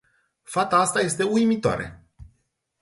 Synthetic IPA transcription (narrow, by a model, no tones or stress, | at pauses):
fat̪aast̪aje̞st̪e̞ujmit̪oa̰ɾe̞̰